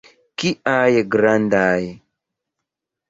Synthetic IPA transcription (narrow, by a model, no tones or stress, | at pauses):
kiʔajeɡɾandaj